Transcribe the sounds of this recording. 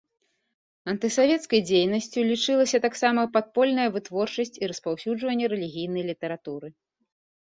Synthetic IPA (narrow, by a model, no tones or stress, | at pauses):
ɐnt̪ɨsavʲɛt̪skɐjd͡zʲejnɐsʲt͡sʲulʲit͡ʂɨlˠɐsʲɐt̪aksamɐpat̪̚pɔlʲnɐjɐvɨt̪vɔrt͡ʂɐsʲt͡sʲiɾɐspawsʲuʐvɐnʲːɛɾɛlʲiɣʲijn̪ɐjlʲit̪ɐɾat̪uɾɨ